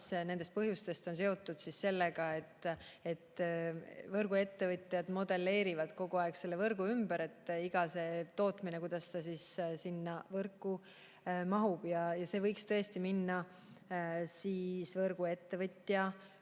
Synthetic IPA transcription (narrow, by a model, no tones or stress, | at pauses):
sne̞nd̪e̞st̪̚pɤɦjust̪e̞st̪o̞ns̬eo̞t̪ːˑud̪̥sisse̞lːeɡ̥ɑe̞t̪ːe̞t̪ː | vɤrɡ̥ue̞t̪ːe̞vɤt̪ʲjɑd̪̥mo̞d̪e̞lːe̞ːɾivɑd̪̥ko̞ɡ̥uɑekse̞lːevɤrɡ̥uymbæɾe̞t̪ːiɡ̥ɑse̞t̪o̞ːt̪ˑminekujd̪̥ɑst̪ɑsissinːɑvɤrkːˑu | mɑɦub̥jɑjɑse̞ːvɤjkst̪ɤ̞est̪iminːɑ | siːsvɤrɡ̥ue̞t̪ːe̞vɤt̪ʲːjɑ